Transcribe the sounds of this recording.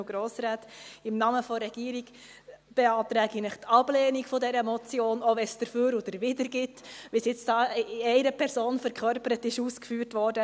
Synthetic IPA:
ɡ̥ɾoːsɾaːtɪmnɑməfɔɾɛɡ̥iːɾiɡ | b̥eɑːtɾɛːɡinəχtɑb̥lɛːnikfɔdɛɾəmɔt͡sjoːnɔʋɛsd̥əɾføːɾod̥̪əɾʋɪdəɾɡɪtʋisjɪt͡sd̥ɑːɛɪɾəpʰɛɾsoːnfɛɾkʰχœɾpəɾətɪʃuːskfyːɾtʋɔɾdə

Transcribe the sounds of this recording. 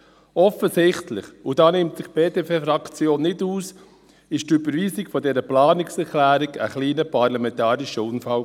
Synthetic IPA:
ɔfəsɪχtlɪχud̥ɑːnɪmtsɪχb̥eːtepefɾɑkt͡sjoːnːɪduːs | ɪʃtybəɾʋiːsɪkfɔdɛɾəplɑːnɪksɛɾkʰlæːɾiɡə̰χliːnəpɑɾlɑmɛ̃ntɑːɾiʃəʊnfal

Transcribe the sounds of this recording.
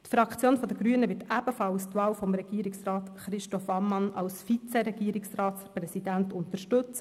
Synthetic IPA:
t̪fɾɑkʰt͡sjoːnfɔd̪əɡɾyənəʋɪtæb̥əfɑlst̪ʋɑːwfɔmɾɛɡ̥iːɾɪksrɑːt̪χɾɪʃtɔfɑmːɑnɑlsfit͡sɛɾɛɡ̥iːəɾɪksrɑːtsprɛsidæntʊntəʃtɵt͡s

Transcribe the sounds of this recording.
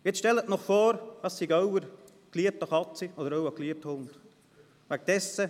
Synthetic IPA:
ɪt͡sʃtɛlːətnɔχfɔːɾdɑssiɡœwəɾ | kliəp̚təχɑt͡siɔdəɾœʊɑkliəp̚thʊnd̪̥ | ʋæk̚d̥ɛsːə

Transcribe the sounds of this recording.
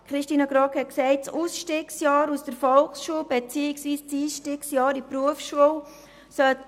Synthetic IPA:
kχɾɪʃtiːnəɡɾɑkhɛt̚ksɛɪt̚t͡suːsʃtiːksjɑːɾusd̥əɾfɔlksʃuəlbet͡siːɪksviːst͡siːsʃtiːksjɑːɾipɾuəfsʃuəl | sœt

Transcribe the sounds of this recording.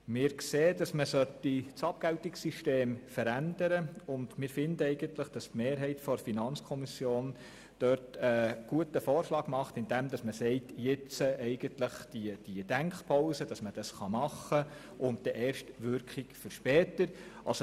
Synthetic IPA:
mɪːɾkseːd̥ɑsməsœtːit͡sɑp̚ɡ̥æltɪksiʃteːmfəɾænd̥əɾəʊndmɪːɾfɪndəɛɪɡəntləχd̥ɑstmeːɾɦɛɪtfɔɾfinɑnt͡skʰɔmisjoːn | d̥œɾtəɡ̥uətəfɔːrʃlɑːɡmɑχtɪndɛmdɑsməsɛɪtjɪt͡səʔɛɪɡ̥əntləχd̥id̥id̥æŋkpʰɔʊsəd̥ɑsməd̥ɑsχɑmɑχːə | ʊnt̚d̥ɛʔɛːɾʃtʋʏɾkχikfəɾʃpɛːtəɾʔɑlso

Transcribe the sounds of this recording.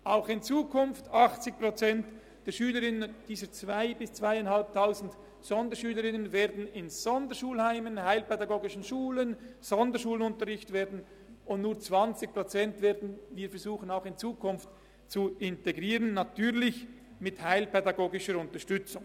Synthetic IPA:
ʔaʊxɪnt͡suːkʰʊnftɑχt͡sɪk̚pʁ̥ot͡sɛnt | d̥ɛːɐʃyːləɾɪnənd̥iːzət͡svaɪbɪst͡svaɪaɪnhalp̚tʰaʊzn̩t | z̥ɔndəʃyːləɾɪnənveːɐdn̩ɪnz̥ɔndəʃuːlhaɪmənhaɪlpɛdaɡoːɡɪʃən̩ʃuːlənz̥ɔndəʃuːlənʊntəɾʁɪçtveːɐdn̩ | ʊntnuːɐt͡sv̥ɑnt͡sɪç̚pʁot͡sɛntveːɐdn̩viːfɛɐɾzuːxənaʊxɪnt͡suːkʰʊnft | t͡suɪnteɡʁiːʁənːatʰyːʁlɪç | mɪthaɪlpɛdaɡoːɡɪʃəɾʊntəʃtʏt͡sʊŋ

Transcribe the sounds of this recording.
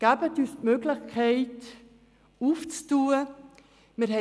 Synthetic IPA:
ɡ̥abətyːstmøɡlɪχkʰɛɪt | uːft͡stuːə | miɾɦɛ

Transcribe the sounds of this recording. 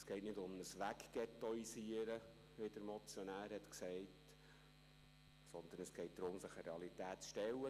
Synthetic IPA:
sɡ̥ɛɪtnɪdʊmnəsʋækɡ̥ɛt̪ɔisiəɾə | ʋɪd̥əɾmɔt͡sjɔnæːɾhɛt̪ksɛɪt | sɔnd̪ənəsɡ̥ɛɪt̚d̥̪ɾʊmsɪχəɾeɑlit̪æːtt͡sʃtɛlːə

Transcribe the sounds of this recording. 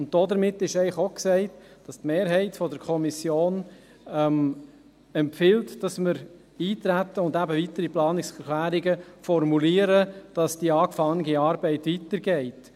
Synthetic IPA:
ʊnt̚d̥ɔdəɾmɪtːɪʃɛɪχoksɛɪtd̥ɑstmeːɾɦɛɪtfɔdəɾkʰɔmisjoːn | ɛm | ɛmpfɪltd̥ɑsməɾ | iːtɾætːəʊndæbəvitəɾiplɑːnɪksɛklæːɾiɡəfɔɾmuliːəɾəd̥ɑsd̥iɑːkfɑnəɡiɑːɾbɛɪtʋitəɾɡɛɪt

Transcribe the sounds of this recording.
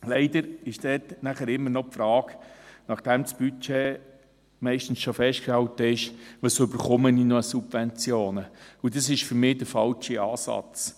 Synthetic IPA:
lɛɪd̪əɾɪʃd̥ɛːtnæχəɾɪmːəɾnɔpfɾɑːɡnɑχd̥ɛmsb̥yt͡ʃe | mɛɪʃtn̩sʃofɛʃtkʃtɛltəɪʃʋəsʏbəɾχʊməninoəsub̥vɛnt͡sjoːnəudɑsɪʃfʏɾmɪːd̥əɾfɑlt͡ʃiɑːsɑ̰t͡s

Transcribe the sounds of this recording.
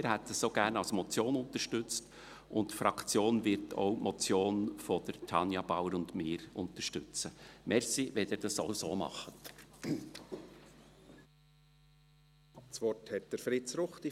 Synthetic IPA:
ɪːɾhɛtəsoːɡæɾnɑlsmɔt͡sjoːnʊnt̪əɾʃtʏt͡st | ʔʊntfɾɑkt͡sjoːnvɪɾtʰo̰ʊmʔɔt͡sjoːnfɔd̥̪əɾtʰɑnjɑb̥awəɾʊndmɪːɾʊntəʃtʏt͡səmɛɾsiʋɛdɪːd̥ɑsoʊsoːmɑ̰χət | t͡sʋɔɾthɛt̚d̪̥əɾfɾɪt͡sɾʊχti

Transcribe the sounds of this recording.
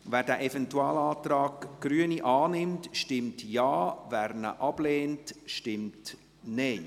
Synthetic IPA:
væːɾdæːʔɛfɛntuɑːlɑːtɾɑːkɡ̥ɾyːəniʔɑːnɪmtʃtɪmtjɑːvæːɾnə̰ʔɑb̥leːntʃtɪmt | nɛɪ

